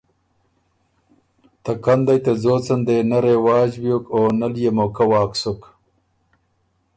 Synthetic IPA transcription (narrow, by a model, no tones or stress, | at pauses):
t̪akand̪ajt̪azoːt͡sɐnd̪enɐɾewaːd͡ʒbjokoːnaljemokawɑːksʊk